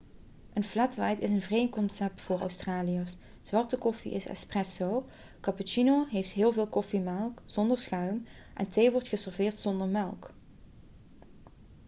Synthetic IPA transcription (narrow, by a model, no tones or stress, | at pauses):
ʔənflɛtʋɛjtɪsənvərejnkɔnsɛp̚tfʊːɹœ̰ɥstraːlijəs | z̥ʋɑɹtəkɔfḭʔɪ̰sɛ̰sprɛsow | kɑput͡ʃinoɦejftɦɪːlˠvɪːlˠkɔfimɛlˠkz̥ɔndəɹsχœɥm | ʔɛ̰ntejʋɔɹtχəsɛɹvɪːɹtsɔndəɹmɛlˠk